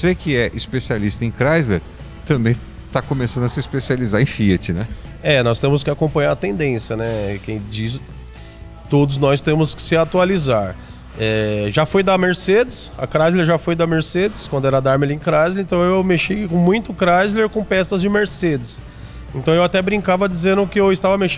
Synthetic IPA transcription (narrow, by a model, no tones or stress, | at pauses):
osekɪɛʔispesialist̪ɐẽj̃kɾajzleɾ | t̪ɐ̃mbẽj̃ | t̪akomesɐ̃d̪ʊɐsɪispesializaɾẽfiɐt͡ʃɪnɛɛnɔst̪ẽmʊskɪakõmpɐ̃ɲaɾɐt̪ẽnd̪ẽsjɐnɛkẽj̃d͡ʒiz | t̪od̪ʊznɔst̪ẽmʊskɪ̥sɪat̪ualizaɾ | ɛʒafojd̪ɐmeɾsed͡ʒɪsɐ̰kɾazleɾʒafojd̪ɐmeɾsed̪ɪskwɐ̃nd̪ʊɛɾɐd̪aɾmelĩkɾazleẽnt̪ɐ̃w̃ewmeʃijkõmũj̃t̪ʊkɾajzleɾkõpɛsɐzd͡ʒɪmeɾsed͡ʒ̪ɪs | ẽnt̪ɐ̃w̃ewat̪ɛbɾĩŋkavɐd͡ʒizẽnd̪ʊkɪewɪst̪avɐmeʃ